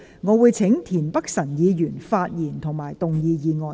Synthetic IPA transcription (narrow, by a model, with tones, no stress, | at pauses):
ŋɔː˨˧wuː˨˧jt͡sʰe˨˥ŋt̪ʰiː˨˩npɐ˥k̚sɐ˨˩njiː˨˧jyː˨˩nfaː˧t̚jiː˨˩nt̪ʰʊ˨˩ŋmaː˨˩jt̪ʊ˨ŋjiː˧jiː˨˧ŋɔː˨